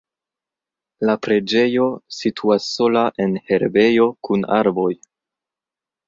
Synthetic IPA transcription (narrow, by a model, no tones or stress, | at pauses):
lapɾe̞d͡ʒe̞jo̞sitʰuasːo̞laʔe̞nhe̞ɾbe̞jo̞kuna̰ɾbo̞j